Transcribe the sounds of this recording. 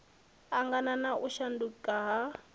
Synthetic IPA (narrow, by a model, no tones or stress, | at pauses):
aŋɡananaʔuʃandukʼaɦa